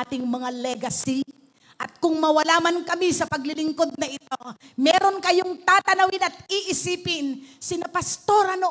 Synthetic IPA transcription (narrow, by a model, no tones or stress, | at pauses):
at̪ɪŋmɐŋalɛɡɐsi | ʔɐt̪̚kʊŋmɐwɐlaːmɐnkɐmisɐpɐɡlɪlɪŋko̞d̪̚nɐʔɪt̪o̞mɛːɾo̞nkɐjoŋt̪aːt̪ɐnɐwɪnɐt̪̚iʔɪsiːpɪnsɪnɐpɐst̪o̞ɾɐno